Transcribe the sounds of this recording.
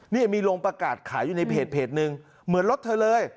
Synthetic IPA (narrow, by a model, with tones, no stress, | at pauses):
niː˥˩miː˧loː˧ŋpɾa˧kaː˨˩t̪̚kʰaː˩˦jːuː˨˩na˧jpʰeː˨˩t̪̚pʰeː˨˩t̪̚nɯ˧ŋ | mɯ˨˩˦ənlo˦˥t̪ʰɤː˧lɤː˧j